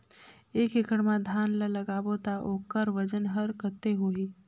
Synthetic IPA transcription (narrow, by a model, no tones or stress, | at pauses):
eːkekəɽmãd̪ʱaːnlələɡaːbot̪aʔoːkəɾʋəd͡ʒənɦəɾkət̪eɦoːɦiː